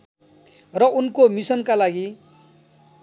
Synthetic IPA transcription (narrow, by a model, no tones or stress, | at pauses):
rʌunkomisʌnkalaɡi